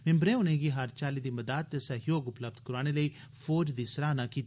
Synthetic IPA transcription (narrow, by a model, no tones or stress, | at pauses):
mɪ̃mbɾẽːʊnẽːɡiːɦaɾt͡ʃaːliːd̪iːməd̪aːd̪̚t̪esəɦjoːɡʊpləb̚d̪kəɾaːɽ̃eləiː | fʰoːd͡ʒd̪iːsəɾaːnaːkiːt̪ː